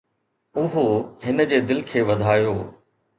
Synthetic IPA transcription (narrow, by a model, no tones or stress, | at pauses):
ʊɦoɦɪnə̆d͡ʑeːd̪ɪlɪkʰeːʋɐd̪ʱaːjoː